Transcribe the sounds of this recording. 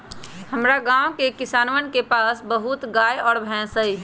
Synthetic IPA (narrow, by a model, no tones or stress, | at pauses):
həmɾaɡãːwkekɪsaːnʋənkepaːsbəɦʊt̪ɡaːjɔːɾbʱɛ̃ːsɦəi